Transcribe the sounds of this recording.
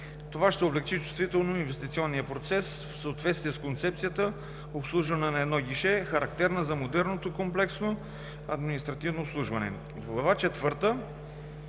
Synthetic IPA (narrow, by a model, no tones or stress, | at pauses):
t̪ovaʃt̪ɛoblɛkt͡ʃit͡ʃʊst̪vit̪ɛlˠnoinvɛst̪it̪siɔnːijəpɾot̪sɛs | fsəot̪vɛt̪st̪viɛskont̪sɛp̚t̪sijət̪ə | opslˠuʒvɐnɛnɐɛd̪nɔɡʲiʃɛxɐɾɐk̚t̪ɛɾnəzɐmod̪ɛɾnot̪okomplɛksno | ɐd̪minist̪ɾɐt̪ivnoːpslˠuʒvɐnɛ̰ | ɡlˠɐvat͡ʃɛt̪vɤɾt̪ə